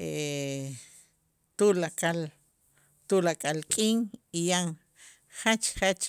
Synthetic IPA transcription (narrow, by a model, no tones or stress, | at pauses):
e | t̪ulakal | t̪ulakʼalkʼiːŋijaŋ | χat͡ʃχat͡ʃ